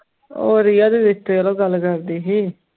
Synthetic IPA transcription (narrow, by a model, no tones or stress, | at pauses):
o̰ːɾiːaːd̪iːdɪt̪ːeːloːɡəlkəɾd̪iːɦiː